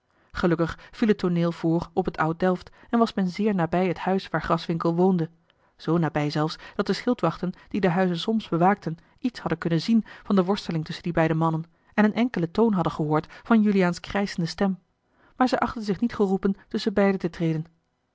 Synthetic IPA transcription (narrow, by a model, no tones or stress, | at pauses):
χəlɵkəχfilˠɦətʰːoneːlˠv̥ʊːɹɔpətʰɑwt̚dɛlˠftɛnʋɑsmɛnzɪːɹnaːbɛjɦəthœɥsʋaːɹχrɑsʋɪŋkəlˠʋowndə | z̥ownaːbɛjzɛlˠfsd̥ɑt̚dəsχɪlˠtʋɑχtənd̥idəɦœɥzənsɔmzbəʋaːk̚tən | itshɑdənkɵnənzinvɑndəʋɔɹstəlɪŋtɵsəndibɛjdəmɑnən | ɛnənʔɛŋkələtownɦɑdənχəɦʊːɹtfɑnjyliaːnskrɛjzəndəstɛm | maːɹzɛjʔɑχtənzɪχnitχərupəntɵsəbɛjdətətrejdən